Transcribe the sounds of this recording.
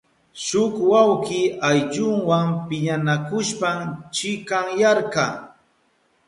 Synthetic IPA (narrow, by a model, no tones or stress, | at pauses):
ʃʊkwawkɪajʎʊŋwampɪɲanakʊʃpamt͡ʃɪkaŋjaɾka